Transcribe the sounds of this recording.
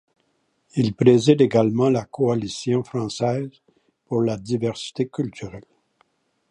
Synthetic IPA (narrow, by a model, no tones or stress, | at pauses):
ilpʁezid̪eɡalmɑ̃lakɔalisjɔ̃fχɑ̃sɛːz | puʁlad̪ivɛʁsi̥t̪ekʲylt̪yʁɛl